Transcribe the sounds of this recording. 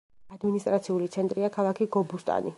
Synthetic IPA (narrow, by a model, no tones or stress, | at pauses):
ad̪minist̪ʼɾat̪sʰiulit̪sʰɛnt̪ʼɾiakʰalˠakʰiɡɔbust̪ʼa̰ni